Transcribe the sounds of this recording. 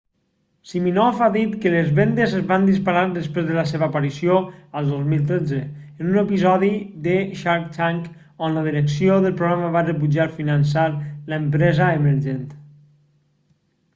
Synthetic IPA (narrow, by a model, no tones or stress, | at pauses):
siminɔfaðit̪kələzβend̪əzəzβand̪ispaɾaɾðəspɾezðələseβəːpəɾisioəlˠd̪ozmilˠt̪ɾed͡zəː | nunəpizɔðid̪əʃaɾkt͡ʃaŋk | onləðiɾəksijoðəlˠpɾuɣɾaməβarəβud͡ʒaɾfinənsaɾləmpɾɛzəeməɾʒent̪